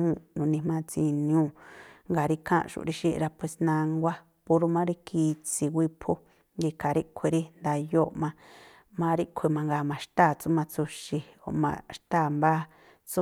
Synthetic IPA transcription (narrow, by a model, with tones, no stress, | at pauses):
ũ˦˧nũ˨nĩ˧mã˧˦t͡si˧ñ˧ũː˦˨ŋɡa˨ɾi˧kʰã̰˦ʔʃṵ˧˨˧ɾi˧ʃḭ˦˧ɾa˧pe˧˨snã˧ŋɡʷa˦ | pu˧ɾu˧mã˦ɾi˦kʰi˧t͡si˧wʷi˧pʰu˦ | ɡi˧ka˨ɾi˦kʷʰe˧ɾi˦nd̪a˧jo˦ʔmã˧ | mã˦ɾi˦kʷʰe˧˨mã˧ŋɡa˧˨mã˨˧ʃt̪aː˦˨t͡su˦mã˧t͡su˧ʃi˧o̰˧˨mã̰˧ʃt̪aː˦˨mba˦ | t͡su˦